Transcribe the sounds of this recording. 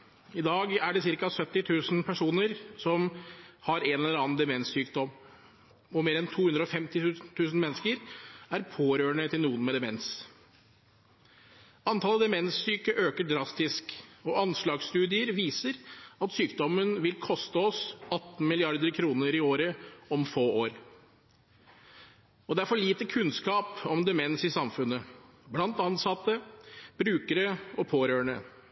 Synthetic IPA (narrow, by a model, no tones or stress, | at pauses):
ɪd̪ɑːɡæɖɛsɪɾkɑsœt̪ːɪt̪ʰʉːsn̩pʰæʂuːnəɾsɔmhɑɾɛnɛlɛɾɑːnd̪ɛmɛnsːyːkd̪ɔm | ɔmeːɾɛnt̪ʰuːhʉnd̪ɾəɔfɛmt̪ɪʉt̪ʰʉːsn̩mɛnːskəɾæɾpʰoːɾøːɳət̪ɪlnuːənmɛd̪ɛmɛns | ɑnt̪ʰɑːlːəd̪ɛmɛnsːyːkəʔøːkəɖɾɑst̪ɪskɔʔɑnslɑːɡst̪ʉːd̪ɪəɾʋiːsəɾɑt̪syːkd̪ɔmənʋɪlkʰɔst̪əɔsɑt̪n̩mɪlɪɑɾd̪əɾkʰɾuːnəɾɪoːɾəɔmfoːoːɾ | ɔd̪ɛæɾfɔɭiːt̪əkʰʉnskɑːpɔmd̪ɛmɛnsɪsɑmfʉnːə | blɑnt̪ɑnsɑt̪ːəb̥ɾʉːkəɾəɔpʰoːɾøːɳə